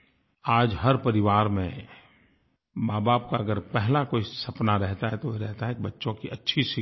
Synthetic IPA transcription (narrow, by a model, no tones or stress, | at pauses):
aːd͡ʒɦɐɾpɐɾɪʋaːɾmẽ | baːbaːpkaɐɡəɾpɛɦlakoːisɐpnaɾɛɦt̪aɦɛt̪oɾɛɦt̪aɦɛbɐtːʃõkiʔɐtːʃʰiʃɪ